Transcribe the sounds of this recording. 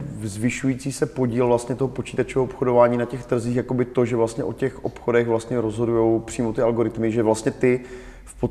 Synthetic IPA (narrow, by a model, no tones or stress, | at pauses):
zvɪʃujiːt͡siːsɛpo̞ɟiːlvlast̪ɲɛt̪oɦo̞po̞t͡ʃiːt̪at͡ʃɛɦoʔopxodovaːɲiːnacɛxt̪r̩ziːxjako̞bɪt̪o̞ʒɛvlast̪ɲɛʔocɛxʔopxo̞dɛɣvlast̪ɲɛɾo̞zɦo̞dujo̞wpr̥iːmo̞t̪ɪalɡo̞ɾɪt̪mɪʒɛvlast̪ɲɛt̪ɪ | fpo